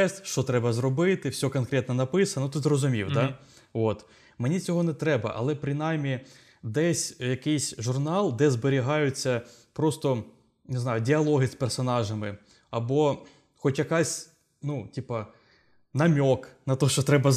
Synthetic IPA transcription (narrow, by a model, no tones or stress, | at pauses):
ɛsʃt͡ʃɔt̪ɾɛbɐzɾɔbɪt̪ɪwsʲɔkɔnkɾʲɛt̪nɐnɐpɪsɐnɐnut̪ɔzrɔzʊmʲḭwd̪ɑ | ot̪ | menʲit͡sʲɔɦɔnɛt̪ɾɛbɐ̰ʔɐ̰lˠɛpɾɪnɑjmʲːi | d̪ɛsʲjɐkɪjsʲʒʊrnɑlˠd̪ɛzbeɾʲiɦɑjʊt͡sʲːɐ | pɾɔst̪ɔ | nɪznɑjʊdʲiɐlˠɔɦɪspersɔnɑʒɐmɪ | ɐbɔ | xɔtʲjɐkɑsʲ | nutʲipɐ | nɐmʲɔknɐt̪ɔʃt͡ʃɔt̪ɾɛbɐ